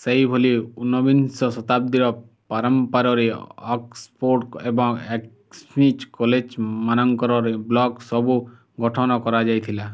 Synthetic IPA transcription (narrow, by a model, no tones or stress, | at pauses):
sejbʱoliunɔbinsɔsɔt̪ap̚d̪iɾɔ | paɾɔmpaɾɔɾeɔkspoɾʈebɔŋek | smit͡ʃkɔled͡ʒmanɔŋkɔɾɔɾeblɔksɔbu | ɡɔʈʰɔnɔkɔɾad͡ʒajt̪ʰila